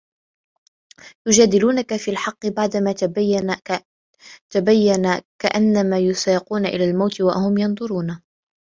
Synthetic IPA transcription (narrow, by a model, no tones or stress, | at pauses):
j̪ʊd͡ʒaːd̪ɪluːnakafiːlħɑqːɨbaʕd̪amaː | t̪abajːanakaʔanːamaːjʊsˤɑːquːnaʔɪ̰laːlmawt̪ɪwa̰hʊmjɑnðˤʊɾuːna